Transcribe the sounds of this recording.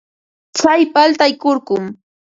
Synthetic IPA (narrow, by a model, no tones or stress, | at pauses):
t͡sajpalt̪ajkoɾɢʊm